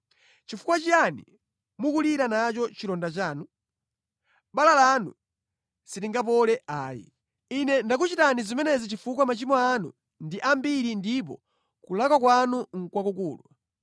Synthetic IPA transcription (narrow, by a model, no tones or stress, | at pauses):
t͡ʃifukwat͡ʃijanḭ | mukuliɾanat͡ʃɔt͡ʃiɾɔndat͡ʃaːnu | ɓalalanṵ | sitiŋɡap̬ɔlɛʔaːjḭ | inɛndakut͡ʃitanizimɛnɛzit͡ʃifukwamat͡ʃimɔanṵ | ndiʔambiɾindip̬ɔ̰ | kulakwak̬wanuŋ̩kwakukuːlwa